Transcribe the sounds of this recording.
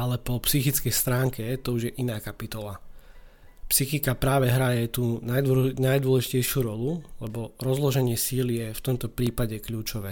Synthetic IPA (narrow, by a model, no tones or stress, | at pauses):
alɛpɔpsixit͡skɛjst̪ɾaːŋkɛt̪ɔuʒjɛʔinaːkapit̪ɔla | psixikapɾaːʋɛɦɾajɛt̪uːnanajd̪ʊɔlɛʒicɛjʃuːɾɔlulɛbɔɾɔzlɔʒɛɲɪɛsiːlijɛft̪ɔmt̪ɔpɾiːpaɟɛkʎuːt͡ʃɔʋɛː